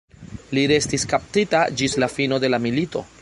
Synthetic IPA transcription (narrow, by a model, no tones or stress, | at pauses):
liɾe̞stiskap̚titad͡ʒislafino̞de̞lamilito̞